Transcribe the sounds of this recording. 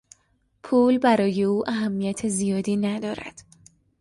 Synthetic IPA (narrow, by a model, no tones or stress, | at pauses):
pʰuːlbæɾɒːje̞uːʔæɦæmːijæt̪ʰezijɒːd̪iːnæd̪ɒːɾæ̰d̪̥